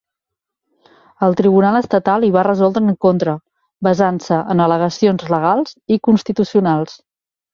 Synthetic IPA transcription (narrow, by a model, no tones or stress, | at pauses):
əlˠt̪ɾiβunalˠəst̪ət̪alˠiβ̞arəzɔlˠd̪ɾəŋkont̪ɾə | bəzansəʔənələɣ̞əsionzləɣ̞alˠz̥ikunst̪it̪usiunalˠs